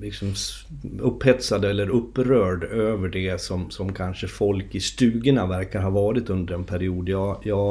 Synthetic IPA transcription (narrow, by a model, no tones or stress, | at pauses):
lɪksɔm | ɵpːhɛt̪sad̪ɛlːəɾɵpːɾœːɖøːvəɖɛsɔmsɔmkʰanʂəfɔlkɪst̪ʉ̟ːɡənavæɾkaɾɦaɾvɑːɾɪt̪ɵnd̪əɾɛnpʰæɾɪuːd̪jɑːjɑː